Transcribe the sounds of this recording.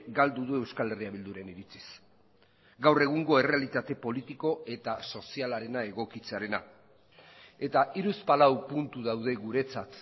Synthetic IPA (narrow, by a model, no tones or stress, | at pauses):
ɡald̪uðue̞wskale̞riaβild̪uɾe̞niɾit͡si̥s | ɡawre̞ɣ̞uŋɡo̞e̞re̞alit̪at̪e̞po̞lit̪iko̞e̞t̪aso̞sialaɾe̞nae̞ɣo̞kit͡se̞aɾe̞na | e̞t̪aʔiɾuspalawpunt̪uðawð̞e̞ɣuɾe̞t͡sat̪